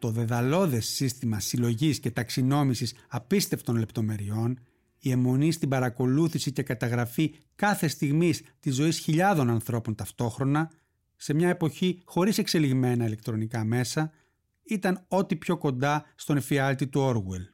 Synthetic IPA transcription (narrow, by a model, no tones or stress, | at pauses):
t̪o̞ðe̞ðɐlo̞ðe̞sːist̪imɐsilo̞ʝisce̞t̪ɐksino̞misisɐpist̪e̞ft̪o̞nle̞pt̪o̞me̞ɾio̞n | ie̞mo̞nist̪ibɐɾɐko̞luθisice̞kɐt̪ɐɣɾɐfi | kɐθe̞st̪iɣmist̪izo̞isçiʎɐðo̞nɐnθɾo̞po̞nt̪ɐft̪o̞xɾo̞nɐ | se̞mɲɐe̞po̞çixo̞ɾise̞kse̞liɣme̞nɐile̞k̚t̪ɾo̞nikɐme̞sɐ | it̪ɐno̞t̪ipço̞ko̞nd̪ɐst̪o̞nfiɐlt̪it̪uo̞ɾɣwe̞l